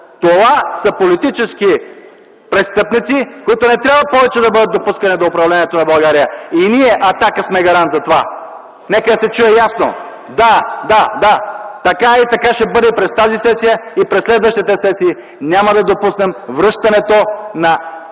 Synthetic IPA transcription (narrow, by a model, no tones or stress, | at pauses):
t̪ovasɐpolit̪it͡ʃɛsk̟i | pɾɛst̪ɤpnit̪sikoit̪onɛt̪ɾʲabvɐpɔvɛt͡ʃɛd̪ɐbɤd̪ət̪̚d̪opuskɐnid̪oːpɾɐvlɛniɛt̪onɐbɐlˠɡaɾijəiniɛʔɐt̪akəsmɛɡɐɾant̪zɐt̪ova | nɛkəd̪ɐsɛt͡ʃujɛjasno̰ | d̪ad̪ad̪at̪ɐkait̪ɐkaʃɛbɤd̪ɛipɾɛst̪azisɛsijəipɾɛsːlɛd̪vəʃt̪it̪ɛsɛsiː | nʲamɐd̪ɐd̪opusnɛmvɾɤʃt̪ɐnɛt̪onɐ